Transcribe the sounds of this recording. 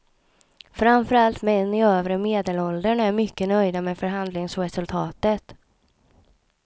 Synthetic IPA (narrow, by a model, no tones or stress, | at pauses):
fɾamfœɾalt̪mɛɛnɪøːvɾəmeːd̪ɛlɔld̪əɳæɾmʏkːənœjd̪amɛfœɾɦand̪lɪŋsɾɛsɵlt̪ʰɑːt̪ət̪